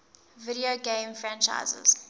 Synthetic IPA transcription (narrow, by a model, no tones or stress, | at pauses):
viɾioɡẽmfɹãnt͡ʃa̰ɪzə̰z̥